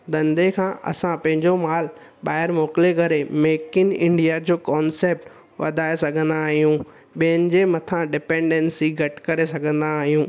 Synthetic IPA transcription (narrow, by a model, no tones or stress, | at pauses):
d̪ɐ̃nd̪ekʰãːʔɐ̰sãpɐ̃ɦɪ̃ɲd͡ʑomaːl | ɓaːɪɾmoːkɪlekɐɾemeːkɪnɪ̰̃ɳɖijad͡ʑoːkɔːnseːp̚ʈ | ʋɐ̰d̪ʱaːesɐɡʱə̃nd̪aːɦijũ | ɓiənɪ̆d͡ʑeːmɐt̪ʰãɖɪpẽːɳɖɛ̃nsiɡʱɐʈkɐɾesɐɡʱə̃nd̪aːɦijũː